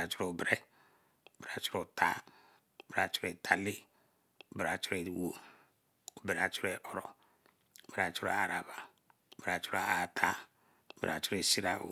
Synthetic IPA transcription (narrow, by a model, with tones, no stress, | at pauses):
a˨t͡ʃu˦ɾo˨bɾɛ˦˨ | be˨ɾa˨t͡ʃu˦ɾo˨tʰa˦˨ | be˨ɾa˨t͡ʃu̥˦ɾe˨tʰa˨li˦ | u˨be˨ɾa˨t͡ʃu˦ɾe˨wo˦ | u˨be˨ɾa˨t͡ʃu˦ɾe˨ʔɔ˨ɾɔ˨ | bi˨ɾa˨t͡ʃu˦ɾo̰˨a˨ɾa˨ba˨ | bɾa˨t͡ʃu˦ɾo˨a˨tʰa˦˨ | bḭ˨ɾa̰˨t͡ʃu˦ɾe˨si˦ɾa̰˦˨